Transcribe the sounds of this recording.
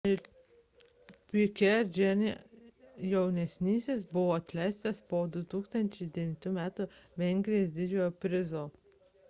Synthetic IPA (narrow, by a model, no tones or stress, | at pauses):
ɪɾ | pʲɪkʲɛɾd͡ʒʲɛnʲɪ | jɛʊnʲɛsʲnʲiːsʲeːsbʊʋoːɐt̪ʲlʲæˑɪst̪ɐspoːd̪ʊt̪uːkst̪ɐnʲt͡ʃʲɛɪd̪ʲɛʋʲɪnʲt̪ʲuːmʲæːt̪ʊʋʲɛŋʲɡʲɾʲɪjoːsd̪ʲɪd͡ʒʲoːjoːpʲɾʲɪzoː